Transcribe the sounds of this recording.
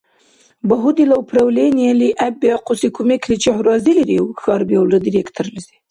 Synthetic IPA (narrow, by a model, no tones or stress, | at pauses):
baɦud̪ilawpɾawlenjaliʔabequsikʰumekʰɾit͡ʃehuɾɑziliɾewxɑɾbjewlad̪iɾekt̪ʰəɾlazi̥